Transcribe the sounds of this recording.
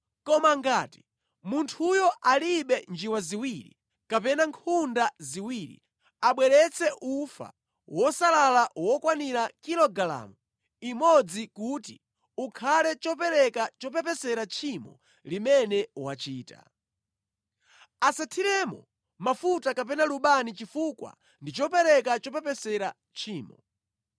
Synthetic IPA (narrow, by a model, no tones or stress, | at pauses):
kɔmaŋɡaːti̥ | muntʰujɔʔaliɓɛnd͡ʒiwaziwiɾḭ | kapɛnaŋkʰundaziwiɾḭ | aɓwɛɾɛt͡sʰɛʔufa̰ | wɔsalalawɔkwaniɾakilɔɡala̰mu | imɔd͡zikuti | ukʰalɛt͡ʃɔpɛɾɛkat͡ʃɔpɛpɛsɛɾat͡ʃʰimɔ̰ | limɛnɛwat͡ʃiːta̰ | asatʰiɾɛmɔ̰ | mafutakap̬ɛnaluɓanit͡ʃifukwa̰ | ndit͡ʃɔpɛɾɛkat͡ʃɔpɛpɛsɛɾa | t͡ʃʰiːmɔ